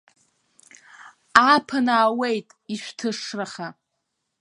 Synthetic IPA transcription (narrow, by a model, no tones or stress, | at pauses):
apʰanaːwejtʼiʃᶣʷtʰɨʂraχa